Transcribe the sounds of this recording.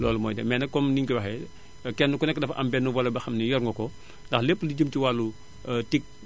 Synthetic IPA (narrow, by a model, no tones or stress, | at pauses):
lɔ̰ːlumɔːjdɛ̰mɛːnɐkɔmniŋkiwɐxɛ | kɛnːukɔnɛkːədɐfɐʔɐmbɛnːuwɐlɐbɐxɐmnijɔɾŋɡɔkɔ | ndɐxlepːəliɟəmtiwalːu | tik̚